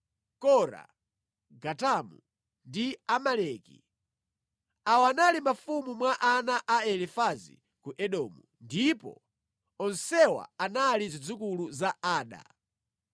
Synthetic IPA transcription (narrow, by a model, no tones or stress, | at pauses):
kɔɾa̰ | ɡatamu | ndiamalɛkḭ | awanalimafumumwaʔanaʔaɛlifazḭ | kuʔɛɗɔmu | ndipɔ̰ | ɔnsɛwa̰analizid͡zuk̬uluzaaːɗa̰